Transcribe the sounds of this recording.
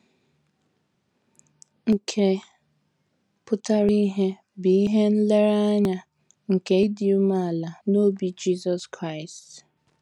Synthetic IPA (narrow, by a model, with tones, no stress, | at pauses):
ŋ̩˨kʰe˨ | pʊ˦ta˦ɾi˦ɦe˦ | bi˨i˦ɦe˦n̩˦le˦ɾa˦ɲa˦ | ŋ̩˨ke˨i˦di˨u˦ma˦a˨la˨no˦bi˨d͡ʒi˦zɔ˨skɾa˦ɪ˨st